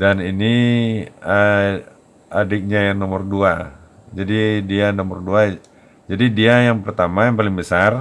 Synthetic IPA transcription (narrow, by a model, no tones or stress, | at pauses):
danini | ə | adɪk̚ɲajanɔmərdua | d͡ʒadidianɔmərdua | d͡ʒadidiajaŋpərt̪amajaŋpalɪŋbəsar